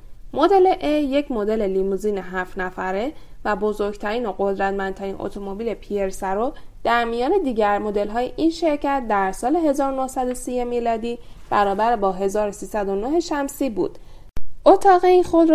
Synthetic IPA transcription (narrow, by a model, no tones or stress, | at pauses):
mod̪e̞leʔeje̞cʰmo̞d̪e̞lelimuziːneɦæft̪næfæɾe | væbo̞zo̞ɾɡt̪ʰæɾiːnoɢo̞d̪ɾæt̪mænt̪ʰæɾiːnʔo̰t̪ʰomobiːle̞pʰieɾsæɾod̪̥æɾmijɒːne̞d̪iːɟæɾmo̞d̪e̞lɦɒːjeʔinʃe̞ɾcæt̪̚d̪æɾsɒːle̞ɦe̞zɒːɾonohsæd̪o̞sijemilɒːd̪iːb̥æɾɒːbæɾbɒːɦe̞zɒːɾosiːsæd̪o̞noɦe̞ʃæmsiːbṵːd̪̥ | ʔot̪ʰɒːɣeinxod̪ɾ